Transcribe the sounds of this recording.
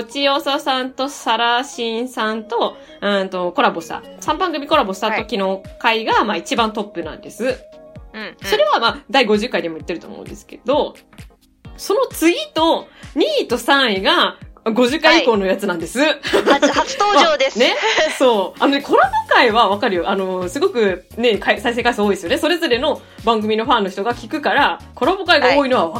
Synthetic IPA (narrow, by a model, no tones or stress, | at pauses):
ot͡ɕio̞ːsasãnt̪o̞saɾaɕĩɰ̃sãnt̪o̞ | ɯ̃nt̪o̞ko̞ɾabo̞ɕi̥t̪a̰ | sãmbãŋɡɯ̟mʲiko̞ɾabo̞ɕi̥t̪at̪o̞kʲino̞kaiɡamaːit͡ɕibãnt̪o̞pːɯ̟nã̰nd̪e̞sɨ | so̞ɾe̞βamaːd̪aiɡo̞ʑɨkːaid̪e̞mo̞it̪ːe̞ɾɯ̟t̪o̞̰ːmo̰ɯ̟̃nd̪e̞sɨ̥ke̞d̪o̞ | so̞no̞t͡sɨɡʲit̪o̞ɲ̟iːt̪o̞sãɰ̃iɡaɡo̞ʑɨkːaiiko̞ːno̞jat͡sɨnãnd̪e̞sɨ | t̪oːmaod̪esne̞so̞ːano̞nekʰo̞ɾobokaiβaβakaɾɯ̟joʔano̞sɨɡo̞kɯ̟ | ne̞kaisais̬e̞ːkaisooːid̪esɨjo̞neso̞ɾe̞zo̞ɾe̞no̞ | bãŋɡɯ̟mʲino̞ɸãnːo̞çi̥t̪o̞ɡakʲikɯ̟kaɾako̞ɾobokaiɡao̞ːino̞βaβa